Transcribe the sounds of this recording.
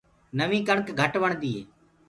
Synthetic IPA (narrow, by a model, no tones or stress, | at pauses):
nəʋĩːkəɳkɡʱəʈʋəɳ̃d̪iː